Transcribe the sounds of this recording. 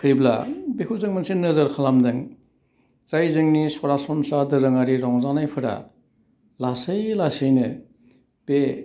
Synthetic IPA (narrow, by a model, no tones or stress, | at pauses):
kʰɯɾibla̰bekʰuzɯŋmansinːɯzɯɾkʰalamdɯŋ | t͡ʃajzɯŋnisɔɾasɔmsadɯɾɯŋaɾiɾɔŋzanajpʰɯɾa̰ | lasɯjlasɯjnɯ | pe